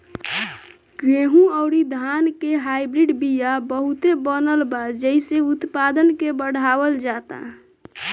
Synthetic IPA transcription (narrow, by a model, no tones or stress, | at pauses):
ɡɾeɦũɔʊɾid̪ʱankeɦaibɾiɖbijabəɦut̪ebənəlbad͡ʒəiseut̪pad̪ənkebəɽ̤ʱaʋəld͡ʒat̪a̰